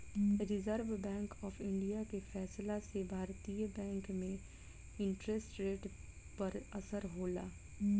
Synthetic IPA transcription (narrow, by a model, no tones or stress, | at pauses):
ɾɪzəɾʋbɛ̃ːŋkɔːfɪ̃ɳɖijakefɛːslasebʱaːɾt̪iːjəbɛ̃ːŋkmẽ | ɪ̃ɳʈɾesʈɾeːʈ | pɐɾɐsəɾɦoːla̰ː